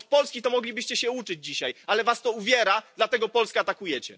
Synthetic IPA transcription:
pɔlskʲit̪ɔmɔɡlʲibɘɕt͡ɕɛɕɛut͡ʂɘd͡ʑd͡ʑiɕajalɛvast̪ɔuvʲjɛɾad̪lat̪ɛɡɔpɔlskaːt̪akujɛt͡ɕɛ̰

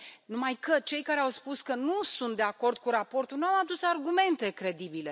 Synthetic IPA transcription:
numajkət͡ʃe̞jkaɾe̞awspuskənusunt̪̚d̪e̞ako̞rd̪̚kuɾapo̞rt̪unuawad̪usarɡume̞nt̪e̞kɾe̞d̪ibile̞

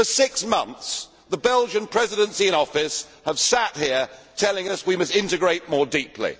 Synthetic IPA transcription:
fəsɪksmʌ̃nθs | ðəbɛlˠd͡ʒɨ̃npʰɹ̥ɛzɨɾə̃nsiɨ̃ɾ̃ɔfɪs | əv̥sæt̚hiətʰɛlˠɪ̃ŋʌswimʌstɪ̃ntɨɡɹeɪt̚mɔːɹdiplḭ

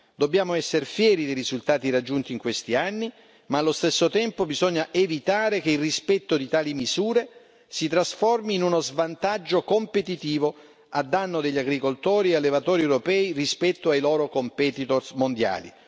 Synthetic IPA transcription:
d̪obːjaːmoɛsːeɾefjɛːɾid̪ejɾizult̪aːt̪iɾad͡ʒːunt̪iːŋkwest̪ianːi | maːlːost̪esːot̪ɛmpobizɔɲːaʔevit̪aːɾekeilrispɛt̪ːod̪it̪aːlimiz̥uːɾe | sit̪ɾasfɔrmiːnunozvant̪ad͡ʒːokompet̪it̪iːvo | ad̪ːanːod̪eʎːaɡɾikolt̪ɔːɾiealːevat̪ɔːɾiewɾopɛːirispɛt̪ːoajlɔːɾokompɛt̪it̪orsmond̪ja̰ːlḭ

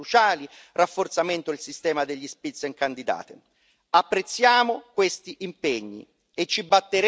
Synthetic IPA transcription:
ut͡ʃaːli | rafːort̪sament̪oilsist̪ɛːmad̪eʎːispit̪sːeŋkand̪id̪a̰ːt̪ɪ | apːɾet̪sːjaːmokwest̪iʔimpeɲːḭ | et͡ʃːibat̪ːeɾ

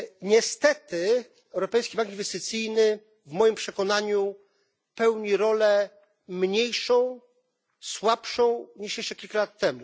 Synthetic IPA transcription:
ɲɛst̪ɛt̪ɘ | ɛwɾɔpɛjskʲibaŋkinvɛst̪ɘt̪sɘjnɘ | vmɔjimpʂɛkɔnaɲu | pɛwɲiɾɔlɛ | mɲejʂɔ̃w̃ | swapʂɔ̃w̃ɲiʂejʂɛkʲilkalat̪ːɛmu

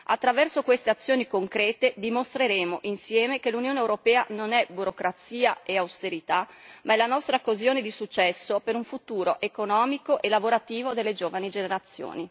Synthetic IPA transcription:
a̰t̪ːɾavɛrsokwest̪eat̪sːjoːnikoŋkɾɛːt̪ed̪imost̪ɾeɾeːmoʔinsjɛːmekelunjoːnewɾopɛːa̰nonɛbuɾokɾat̪siːaeawst̪eɾit̪amaɛlanɔst̪ɾakozjoːned̪isut͡ʃːɛsːopeɾuɱfut̪uːɾoʔekonɔːmikoʔelavoɾat̪iːvod̪elːed͡ʒoːvanid͡ʒeneɾat̪sːjo̰ːni

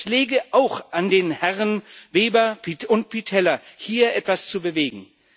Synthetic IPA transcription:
sleːɡəʔaʊxʔandeːnhɛʁənveːbɐpʰiʊnt̚pʰitʰɛlɐhiːɐʔɛtv̥ast͡subəveːɡŋ̩

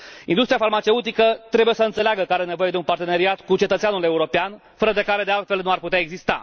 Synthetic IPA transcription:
ind̪ust̪ɾijafalmat͡ʃe̞ut̪ikət̪ɾe̞buje̞səɨnt̪seleaɡəkaɾene̞vo̞je̞d̪eunpart̪e̞neɾiat̪kut͡ʃe̞t̪ət̪eanule̞uɾo̞pean | fəɾəd̪e̞kaɾe̞d̪e̞alt̪fe̞lnuarput̪eaeɡzist̪a̰

